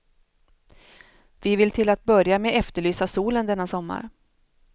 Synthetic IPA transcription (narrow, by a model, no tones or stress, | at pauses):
vɪvɪlt̪ʰɪlat̪̚bœɾjameɛft̪əɭyːsasuːlənd̪ɛnːasɔmːa̰ɾ